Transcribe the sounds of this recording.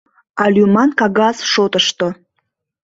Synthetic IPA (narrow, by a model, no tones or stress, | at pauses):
ɑlʲumɑnkɑɣɑsʃot̪əʃt̪o